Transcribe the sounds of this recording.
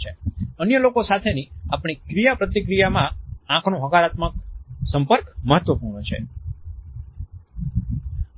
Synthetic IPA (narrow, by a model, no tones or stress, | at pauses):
eənjəlokosat̪ʰeniapɳ̃ikɾijapɾət̪ikɾijamããkʰnõɦəkaɾat̪mək̚səmpəɾkməɦət̪ʋəpuɾɳət͡ʃʰḛ